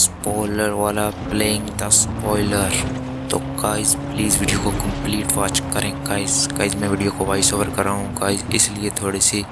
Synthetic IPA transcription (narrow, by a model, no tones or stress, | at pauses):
spɔːɪləɾʋaːlapleːɪ̃ŋɡd̪aspɔːɪləɾ | t̪okaːɪzpliːzʋɪɖijokokɐ̃mpliːʈʋaːt͡ʃkɐɾẽːkaːɪzkaːɪzmɛ̃ʋɪːɖijokoʋaːɪsoːʋəɾkɐɾːaːɦũkaːɪzɪsliet̪ʰoːɽisi